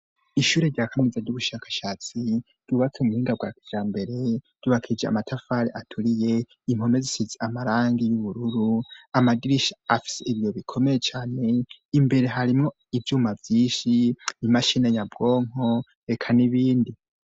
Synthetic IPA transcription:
iʃuːɾe̞ɾɟaːkʰamizaɟuβuʃaːkḁʃaːt͡si | ɾ̥ɟuβat͡seumuhiːŋɡaɡwaːki̥d͡ʒaːmbe̞ɾe̞̥ | uβakʰid͡ʒea̰matʰafaɾiʔatʰuɾije̞ | im̥ho̞mezisizeamaɾaːŋɡijuβuɾuɾuamaɡiɾiʃḁafi̥seiβjo̞βikʰo̞mejet͡ʃaːne̞imbe̞ɾe̞ɦaɾimŋo | ivjuːmavjiːnʃinimaʃineɲabɡo̞ːŋ̥o̞ | ɾe̞kʰaniβiːndi

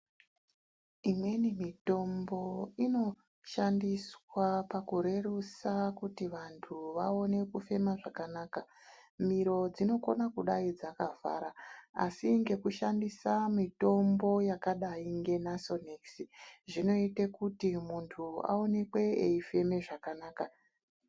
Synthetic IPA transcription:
imwe̞nimito̞mbo̞ino̞ | ʃandiswapakuɾe̞rusakutiʋantʰuʋao̞ne̞kufe̞maʐakanaːkamiɾo̞d͡zino̞ko̞̰nakuɗaid͡zakava̰ɾaa̰siŋɡe̞kuʃandisamito̞mbo̞jakaɗaiŋɡe̞naso̞neksiʐino̞itekutimuntʰua̰o̞ne̞kwe̞eife̞me̞ʐakanaːka

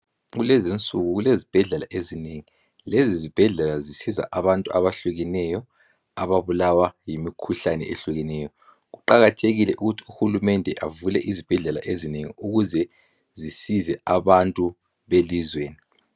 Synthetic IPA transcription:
ɣulɛzint͡sʼuɣuɣulezib̥ʱɛɮɛlaʔezineŋi | lɛzizib̥ʱɛɮɛlazisiza̰ʔaβantʼuaβaɬuɣinɛjɔ | aβaβulawajimikʰuɬanɛ̰ʔeɬuɣɛnɛːjɔ | ɣuǃaɣatʰeɣilɛʔuɣutʰi̥uxulumɛndʱɛʔavulɛʔizib̥ʱɛɮɛla̰ʔezineŋḭuɣuzɛ | zisizɛaβantʼu | βelizweːni

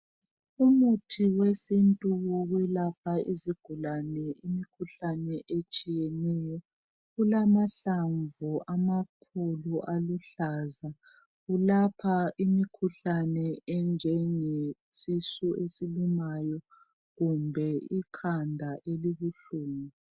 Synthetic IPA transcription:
umutʰiwesintʼuwɔɣwɛlapʰaiziɡ̥ʱulanɛimikʰuɬanɛʔet͡ʃʼijɛnɛjɔ | ɣulamaɬaɱvuʔamakʰuluʔaluɬaza | ɣulapʰaʔimikʰuɬanɛɛnd͡ʒʱɛŋesisɔʔesilumajɔ | ɣumbʱɛikʰandʱaʔeliɣuɬuːŋi

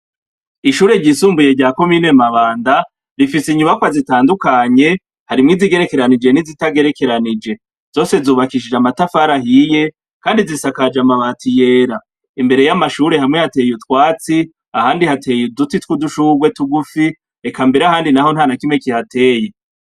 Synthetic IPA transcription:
iʃuːɾe̞ɾɟisuːmbuje̞ɟaːko̞miːne̞maβaːnda | ɾifisiɲumakwazitaːndukaɲe̞ | haɾimŋiziɡe̞ɾe̞ke̞ɾanid͡ʒe̞nizitaɡe̞ɾe̞ke̞ɾanid͡ʒe̞ | z̥o̞ːse̞zuːβakiʃ̬id͡ʒamatafaɾahije̞ | kaːndizisakad͡ʒamaβaːtʰije̞ːɾa | imbe̞ɾe̞jamaʃuːɾe̞ɦamŋe̞hate̞ːjutwaːt͡si | ahaːndihatʰe̞judutitkuduʃuːɡwe̞tuɡufi | ekambe̞ɾeahaːndinaho̞nhanakimŋe̞kihate̞ːje

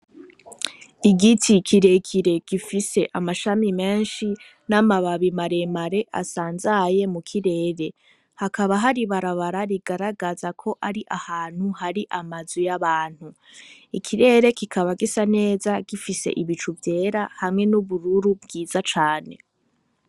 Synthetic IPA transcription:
iɡitʰikʰiɾe̞kʰiɾe̞ɡ̥ifise̞ʔamaʃamime̞ːnʃi | namaβaβimaɾe̞maɾe̞ʔa̰saːnzaje̞mukʰiɾe̞ːɾe̞ | hakaβaɦaɾiβaɾaβaɾaɾiɡaɾaɡazakʰo̞ʔaɾiʔahaːn̥huhaɾiʔamazujaβaːn̥hu | ikʰiɾe̞ːɾe̞kikʰaβaɡisane̞ːzaɡ̥ifise̞̰ʔiβit͡ʃuvje̞ːɾahamŋe̞nuβuɾuɾubɡiːzat͡ʃaːne̞̰

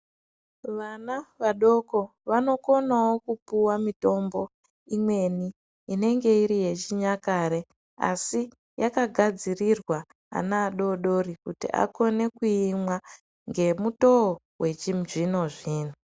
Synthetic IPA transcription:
ʋanaʋaɗo̞ko̞ | ʋano̞ko̞nawo̞kupuwamito̞mbo̞ | imwe̞niː | ne̞ŋɡe̞iɾije̞t͡ʃiɲakaɾe̞ | a̰si | jakaɡʱad͡zirirwa | a̰naːɗo̞ɗo̞rikutḭʔa̰ko̞ne̞kuimwa | ŋɡe̞muto̞o | we̞t͡ʃimʐino̞ʐiːno

